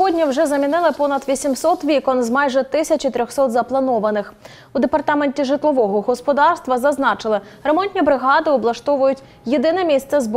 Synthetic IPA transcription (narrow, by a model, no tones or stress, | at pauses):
sɦɔdʲnʲiwʒɛzɐmʲinɪlˠɪpɔnɐd̪ʋʲisʲimsɔt̪ʋʲikɔnzmɑjʒɛt̪ɪsʲɐt͡ʃit̪ɾʲɔxsɔt̪zɐplˠɐnɔʋɐnɪx | ud̪epɐrt̪ɑmenʲtʲiʒɪt̪lˠɔʋɔɦɔɦɔspɔd̪ɑrst̪ʋɐzɐznɑt͡ʃɪlˠɪ | remɔnʲt̪ʲnʲibɾɪɦɑd̪ɪɔblˠɐʃt̪ɔʋʊjʊtʲ | jed̪ɪnɛmʲist̪sɛzb